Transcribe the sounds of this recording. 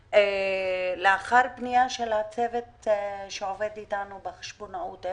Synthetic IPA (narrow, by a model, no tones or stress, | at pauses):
e | leaχaɾbnijaʃelat͡se̞vetʃeove̞ditanubeχe̥ʃbonaut